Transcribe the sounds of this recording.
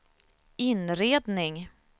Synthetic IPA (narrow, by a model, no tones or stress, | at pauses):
ɪnɾeːd̪nɪŋ